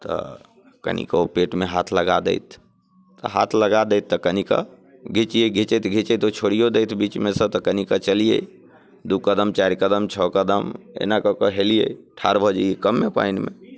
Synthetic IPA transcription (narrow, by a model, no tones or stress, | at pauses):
t̪ɔ̰ | kə̰nḭkəopeʈmeɦat̪ʰləɡad̪ə̰ɪt̪̚ʰː | ə̰ɦa̰t̪ʰləɡad̪əjt̪ːəkənikə̰ | ɡʱit͡ʃijeɡʱit͡ʃɛt̪ʰɡʱit͡ʃɛt̪ot͡ʃʰoɽijod̪əjt̪ʰbit͡ʃmesə̃t̪əkənikət͡ʃəlijə̰ | d̪ukəd̪əmt͡ʃaɾikəd̪əmt͡ʃʰɔkəd̪əmḛnakɔkɔɦelijə̰ʈʰaɾbʱɔd͡ʒəjekəmːepa̰ɪnmḛ